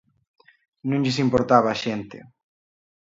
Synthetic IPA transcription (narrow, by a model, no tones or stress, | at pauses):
nũŋʎɪsimpoɾt̪aβaːʃent̪ɪ̰